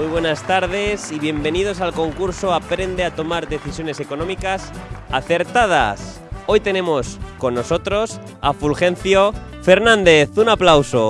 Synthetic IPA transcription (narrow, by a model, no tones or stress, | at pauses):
ujβwe̞nast̪aɾð̞e̞siβje̞mbe̞nið̞o̞s̬alko̞ŋkuɾso̞apɾe̞nd̪e̞at̪o̞maɾðe̞θisjo̞ne̞se̞ko̞nõmikasaθe̞ɾt̪að̞a̰s | o̞jt̪e̞nẽ̞mo̞sko̞nːoso̞t̪ɾo̞s | afulxe̞n̟θjo̞fe̞ɾnãnd̪e̞θunaplawso̞